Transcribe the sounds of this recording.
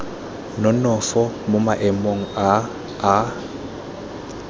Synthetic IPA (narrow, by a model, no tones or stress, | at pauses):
nɔnɔfɔmʊmaʔɛmoŋ̩aː